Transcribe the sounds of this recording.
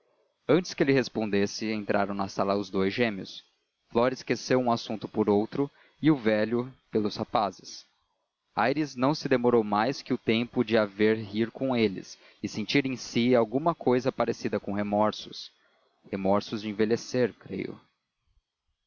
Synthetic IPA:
ɐ̃nt͡ʃɪskɪelɪɦespõnd̪esɪẽnt̪ɾʔa̰ɾɐ̃w̃nɐsalɐʊzd̪ojzʒẽmiʊs | flɔɾɪskesewũasũnt̪ʊpʊɾowt̪ɾʊ | ɪʊvɛlʊpelʊshapazɪs | a̰jɾiznɐ̃w̃sɪd̪emoɾowmajskɪʊt̪ẽmpʊd͡ʒɪaveɾɦiɾkõelɪ̰s | ɪsẽnt͡ʃiɾẽsiawɡũmɐkʰojzɐpaɾesid̪ɐkõhemɔɾsʊ̥s | hemɔɾsʊzd͡ʒɪẽveleseɾkɾḛjʊ̰

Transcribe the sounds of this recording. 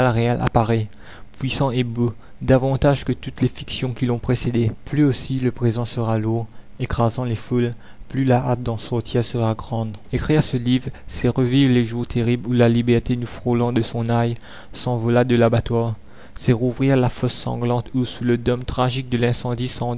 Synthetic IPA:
alʁealʔa̰paʁɛ | pwɥisɑ̃ebo | d̪avɑ̃t̪aʒkət̪ut̪lefiksjɔ̃kʲilɔ̃pχesed̪eplyosiləpχezɑ̃səʁaluʁ | ekχazɑ̃leful | plylaʔat̪̚d̪ɑ̃sɔʁt̪jɛsəʁaɡʁɑ̃d̪ekχiʁsəlivʁsɛʁəvivʁleʒuʁt̪ʰeʁiblulalibɛʁt̪enufχolɑ̃d̪əsɔ̃naj | sɑ̃vɔlad̪əlabat̪waʁ | sɛʁuvʁiʁlafɔsːɑ̰̃ɡlɑ̃t̪ʰusuləd̪ɔmt̪χaʒik̚d̪əlɛ̃sɑ̃d̪isɑ̃

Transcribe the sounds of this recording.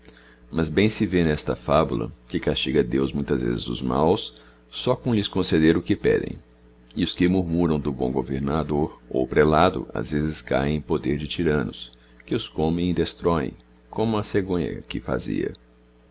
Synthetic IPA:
mɐzbẽj̃sɪvenɛst̪ɐfabulɐ̰kɪkast͡ʃiɡɐd̪ewzmũj̃t̪ɐzvḛzɪzd̪ʊ̰zma̰wsː | ɔkõlɪskõsed̪eɾʊkɪpɛ̰d̪ḛ̃j̃ | ɪʊskɪmuɾmuɾɐ̃w̃d̪ʊbõ̰w̃ɡoveɾnad̪oɾo̰wpɾelad̪ʊ̰a̰zvezɪska̰jẽẽj̃pod̪eɾd͡ʒɪt͡ʃiɾɐ̃nʊs | kɪʊskõmẽj̃ɪd̪est̪ɾɔḛ̃j̃ | kʰõmʊɐseɡõɲɐ̰kɪfa̰zḭɐ̰

